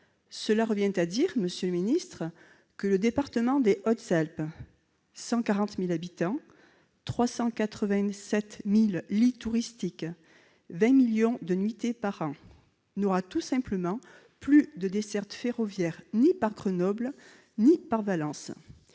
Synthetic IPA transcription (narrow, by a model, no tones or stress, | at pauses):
səlaʁəvjɛ̃t̪ad̪iʁməsjøləminist̪χə | kələd̪epaʁt̪əmɑ̃d̪eʔɔt̪zalp | sɑ̃kaʁɑ̃t̪milabit̪ɑ̃ | t̪χwasɑ̃kat̪χəvɛ̃sɛt̪milːit̪uʁist̪ik | vɛ̃miljɔ̃d̪ənɥit̪epaʁɑ̃ | nɔʁat̪usɛ̃pləmɑ̃ | plyd̪əd̪esɛʁt̪feʁɔvjɛʁnipaʁɡʁənɔbl | nipaʁvalɑ̃s